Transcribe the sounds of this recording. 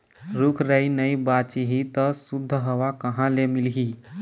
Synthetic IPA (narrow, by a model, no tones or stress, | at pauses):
ɾukʰɾəinəibat͡ʃiɦit̪əsud̪ʱːəɦəʋakəɦãlemilɦi